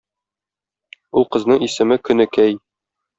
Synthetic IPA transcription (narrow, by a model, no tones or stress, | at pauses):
ulˠqɤ̆znɤɴisɘ̆mɘkɵ̆nɘ̆kæj